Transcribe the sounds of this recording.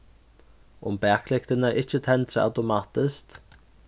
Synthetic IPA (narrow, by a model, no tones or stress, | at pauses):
ʊ̰mpɛaːklɪkt̪ɪnaɾʔɪhcɪt̪ʰɛnt̪ɾaa̰wt̪omaːt̪ɪskt̪